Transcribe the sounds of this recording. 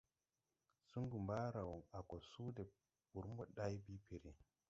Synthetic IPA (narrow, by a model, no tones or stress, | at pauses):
suŋɡumbaːɾawɔnakɔsuːdɛ | buɾmbɔɗajbipʰeɾi